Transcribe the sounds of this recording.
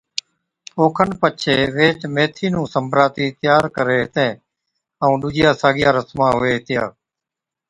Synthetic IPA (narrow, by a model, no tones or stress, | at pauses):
oːkʰənpət͡ʃʰeːʋeːt͡ʃmeːt̪ʰiːnũːsəmbɾaːt̪iːt̪jaːɾkəɾeːɦɪt̪ẽː | əũːɗʊd͡ʒɪjaːsaːɠɪjaːɾəsmãːɦʊeːɦt̪ɪjaː